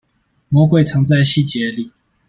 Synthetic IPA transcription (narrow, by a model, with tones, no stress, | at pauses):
mwɔ˧˥kwe˥˨ɪt͡sʰɑ˧˥ŋt͡sa˥˧ɪɕi˥˨t͡ɕjɛ˧˦li˨˩